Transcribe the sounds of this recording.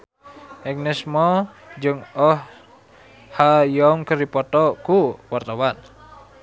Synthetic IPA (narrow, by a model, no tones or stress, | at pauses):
ʔɛk̚nɛsmɔ | d͡ʒɨŋɔh | hajɔŋkəɾipɔt̪ɔkuwart̪awan